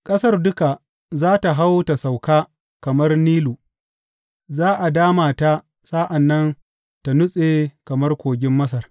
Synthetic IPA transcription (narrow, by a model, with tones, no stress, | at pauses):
kʼɐ˦sɐ˦rdʊ˦ka˨ | zaː˦ta˨ɦa˦wta˨sa˨wkaː˦ | kɐ˨mɐ˦rniː˦luː˨ | zaː˦ʔa˨daː˦maː˨ta˦ | sʼa˦ʔa˨nːɐ˦n | ta˨nʊ˦sʼeː˨kɐ˨mɐ˦rkʷoː˨ɡʲɪ˦mːɐ˦s̬ɐ˨r